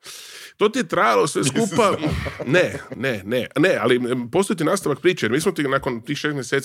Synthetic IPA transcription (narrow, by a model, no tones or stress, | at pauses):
t̪oːt̪iet̪ɾajalosʋeskupanenenenea̰lipo̞st̪ojt̪̬inaːst̪aʋak̚pɾiːt͡ʃajeɾmiːsmot̪inakont̪iːxʃeːst̪mjeset̪